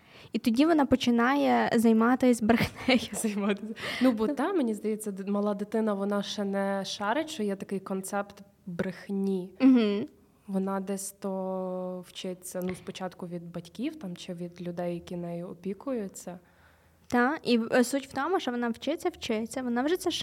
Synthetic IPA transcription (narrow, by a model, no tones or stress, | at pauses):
it̪ɔdʲiʋɔnɑpɔt͡ʃɪnɑjɛzɐjmɑt̪ɪsʲbɾɪxnɛjzɐjmɑt̪ɪsʲɐnubɔt̪ɑmenʲizd̪ɐjɛt͡sʲːɐmɐlˠɑd̪ɪt̪ɪnɐʋɔnɑʃt͡ʃɛnɛʃɑɾɪʃt͡ʃt͡ʃɔjɛt̪ɐkɪjkɔnt̪sɛpt̪ | bɾɪxnʲiɦ̩ | ʋɔnɑd̪ɛsʲt̪ɔwt͡ʃɪt͡sʲːɐnuspɔt͡ʃɑt̪kʊʋʲid̪̚bɐtʲkʲiwt̪ɑmt͡ʃɪʋʲid̪lʲʊd̪ɛjːɐkʲinɛjʊɔpʲikʊjʊt͡sʲːɐ | t̪ɑisutʲw̥t̪ɔmʊʃt͡ʃɔʋɔnɑwt͡ʃɪt͡sʲːɐwt͡ʃɪt͡sʲːɐʋɔnɑʋʒɛsʲɛʃ